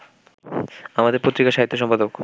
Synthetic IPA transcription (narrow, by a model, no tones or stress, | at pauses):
amad̪eɾpot̪ːɾikaʃaɦit̪ːoʃɔmpad̪ok